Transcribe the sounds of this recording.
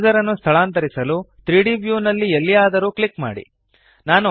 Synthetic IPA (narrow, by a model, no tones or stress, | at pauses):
d͡ʒɐɾɐnːust̪ʰɐɭaːnt̪̬ɐɾisɐlut̪ɾiːɽiʋjuːnɐlːielːijaːd̪ɐɾuːkɭikma̰ːɽḭ | naːnu